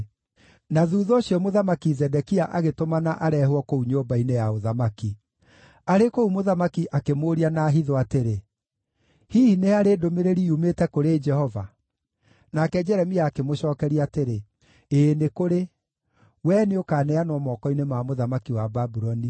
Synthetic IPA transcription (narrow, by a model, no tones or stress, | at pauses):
naðuðɔːɕiɔmoðamakizɛdɛkiaʔaɣetomanaʔaɾɛɦwɔkouɲoːmbainejaoðamaki | aɾekoumoðamakiʔakemoɾianaːɦiðɔateɾe | hiːhineaɾeːdomeɾeɾiumetɛkoɾed͡ʒɛhɔva | nakɛd͡ʒɛɾɛmiaːkemoɕɔːkɛɾiateɾe | enekoɾe | wɛneokaːnɛanɔmɔkɔinemamoðamakiwababuɾɔni